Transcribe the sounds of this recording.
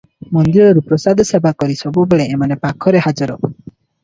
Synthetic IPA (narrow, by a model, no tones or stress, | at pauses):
mɔnd̪iɾɔɾupɾɔsad̪ʱɔsebakɔɾisɔbubeɭeːmanepakʰɔɾehad͡ʒɔɾɔ